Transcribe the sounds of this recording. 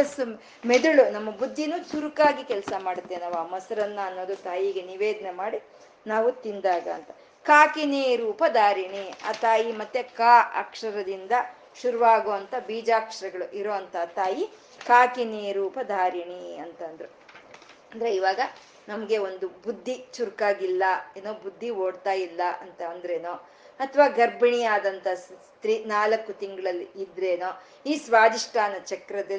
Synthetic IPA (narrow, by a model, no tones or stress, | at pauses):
ɐsu | mɛd̪uɭunɐmːɐbud̪ʱːinut͡ʃuɾukaːɡikɛlsɐmaːɽut̪ːenaːʋuaːmɐsɐɾɐnːuɐnːo̞ːd̪ut̪aːjiɡeniʋeːd̪ɐnemaːɽi | naːʋut̪ind̪aːɡɐːnt̪ɐ | kaːkineɾuːpɐd̪ʱaːɾiɳia̰ːt̪aːjimɐt̪ːekaːʔɐ̰kʂɐɾɐd̪ind̪ɐ | ʃuɾuʋaːɡoːɐnt̪ɐbiːd͡ʒaːkʂɐɾɐɡɐɭuʔiɾoːɐnt̪ɐt̪aːji | kaːkiniːɾupɐd̪ʱaːɾiɳiɐnt̪ɐnd̪ɾe | ɐnd̪ɾeiʋaːɡɐ | nɐmɐɡe̞o̞nd̪ubud̪ʱːit͡ʃuɾkaːɡilːɐeːnoːbud̪ʱːioːɽt̪aːjilːɐʔɐnt̪ɐːnd̪ɐɾeːnoː | ɐt̪ʰɐʋaːɡɐɾbɐɳiaːd̪ɐnt̪ɐs | t̪ɾinaːlɐkːut̪iŋɡɐɭɐlːiid̪ɾe̞ːnoː | iːsʋaːd̪iʂʈʰaːnɐt͡ʃɐkɾɐd̪ɐ